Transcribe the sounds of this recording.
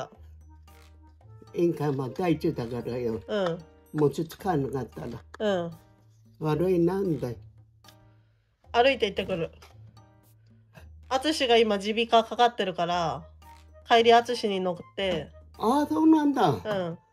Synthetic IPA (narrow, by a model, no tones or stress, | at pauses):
ẽŋkamad̪ait͡ɕɨːt̪aɡaɾajoɯ̟̃ɴ | mot͡ɕɨt͡sɨ̥kanakat̪ːaɾaɯ̟̃ɴ | βaɾɯinand̪a | aɾɯ̟it̪eit̪ːe̞kɯ̟ɾɯ̟ | at͡sɨɕiɡaimad͡ʑibʲikakakat̪ːe̞ɾɯ̟kaɾa | kaiɾʲiat͡sɨɕiɲ̟ino̞kɯ̥t̪ːe̞aso̞ːnãnd̪aɯ̟̃ɴ